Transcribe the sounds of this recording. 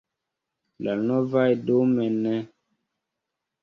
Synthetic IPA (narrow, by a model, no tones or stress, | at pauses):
lanɔvajdomɛnɛ